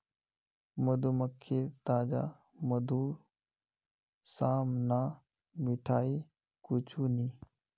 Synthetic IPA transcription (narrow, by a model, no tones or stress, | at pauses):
məd̪uməkʰːet̪aːd͡ʒa̰ | məd̪uːɾ | saːmnaː | mɪʈʰaːiː | kʊt͡ʃʰuːniː